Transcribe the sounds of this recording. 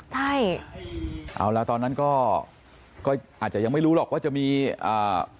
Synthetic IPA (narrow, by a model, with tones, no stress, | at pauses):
t͡ɕʰa˥˩j | ʔa̰˧˩wla˦˥t̪ɔː˧nːa˦˥nkɔː˥˩ | kɔː˥˩ʔaː˨˩t͡ɕa˨˩ja˧ŋma˥˩jɾuː˦˥lɔː˨˩k̚waː˥˩t͡ɕa˨˩miː˧ʔaː˨˩